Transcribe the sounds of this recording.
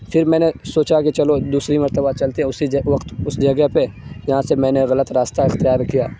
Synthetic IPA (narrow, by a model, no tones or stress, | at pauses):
fʰɪɾmɛ̃ːnesoːt͡ʃakit͡ʃɐlod̪uːsɾimɐɾt̪əbat͡ʃɐlt̪eɛ̃ʊsid͡ʒʋɐqt̪ʊsd͡ʒɐɡəɦpejɐɦãsemɛ̃ːneɣɐlət̪ɾaːst̪aɪxt̪ɪjaːɾkijaː